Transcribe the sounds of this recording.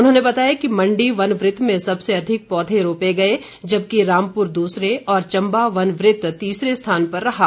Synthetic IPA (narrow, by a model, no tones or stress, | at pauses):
ʊnɦõːnebɐt̪aːjakimɐ̃ɳɖiʋɐnʋɾɪt̪ːmẽsɐbseɐd̪ʱɪk̚pɔːd̪ʱẽɾoːpeɡɐe | d͡ʒɐb̚kiɾaːmpʊɾd̪uːsɾeɔːɾt͡ʃɐ̃mbaʋɐnʋɾɪt̪t̪iːsɾest̪ʰaːnpɐɾːɐɦaː